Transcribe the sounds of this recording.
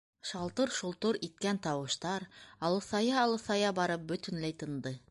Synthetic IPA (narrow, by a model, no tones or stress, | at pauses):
ʃɑlˠt̪ɤɾʃulˠt̪oɾit̪̚kænt̪ɑwɤ̆ʃt̪ɑɾɑlˠɤ̆sɑjɑːlˠɤ̆sɑjɑbɑɾɤp̚bɵ̆t̪ɵ̆nlæjt̪ɤ̆nd̪ɤ